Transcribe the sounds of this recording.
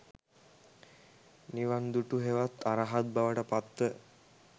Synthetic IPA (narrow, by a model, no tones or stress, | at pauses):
niʋand̪uʈuɦeʋat̪ʰːaɾaɦat̪̚baʋəʈəpat̪ːə